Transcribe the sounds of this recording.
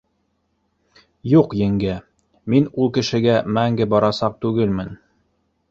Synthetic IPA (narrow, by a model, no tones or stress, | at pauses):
juqjɘ̆ŋɡɘ | minulˠkɘ̆ʃɘ̆ɡæmæŋɡɘbɑɾɑsɑq̚t̪ʉɡɘlmɘn